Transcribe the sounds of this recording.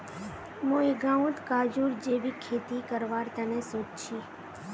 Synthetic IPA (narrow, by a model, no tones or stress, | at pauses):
moiɡãũt̪kad͡ʒuɾd͡ʒeʋikʰet̪ikəɾʋaɾt̪ənesot̪t͡ʃʰi